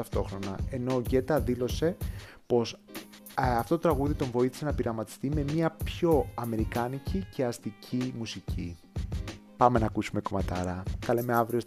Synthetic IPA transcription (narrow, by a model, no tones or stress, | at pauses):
ɐft̪o̞xɾo̞nɐe̞no̞ʝe̞t̪ɐðilo̞se̞ | po̞s | ɐft̪ot̪ot̪ɾɐɣuðit̪o̞ɱvo̞iθi̥se̞nɐpiɾɐmɐt̪i̥st̪ime̞miɐpço̞ɐme̞ɾikɐnicice̞ɐst̪icʰimusici | pɐme̞nɐːkusume̞ko̞mɐt̪ɐɾɐkɐleme̞ɐvɾio̞s